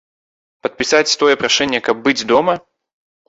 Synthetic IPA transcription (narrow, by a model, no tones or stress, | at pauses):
pət̪̚pʲɪsatʲst̪ojəpɾɐʂɛnʲːɪjəkɐb̚bɨdʲd̪omɐ